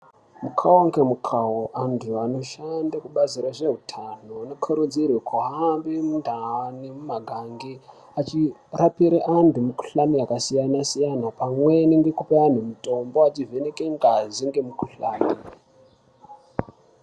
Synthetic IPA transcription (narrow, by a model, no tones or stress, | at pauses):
mukʰawoŋɡe̞mukʰawoʔanduano̞ʃandakuɓaziɾaʐe̞ɦutʰanoano̞kʰoɾud͡zirwekʰoɦambemundʱaanimumaɡʱaŋɡe | at͡ʃirapiɾeʔandumuku̥ɬanijakasijanasijanapamwe̞niŋɡe̞kupean̤umuto̞mbo̞at͡ʃive̞ne̞keŋɡaziŋɡe̞mukuɬaːni